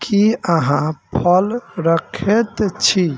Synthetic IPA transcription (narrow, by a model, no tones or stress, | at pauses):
kiəɦãpʰəlɾəkʰet̪t͡ʃʰi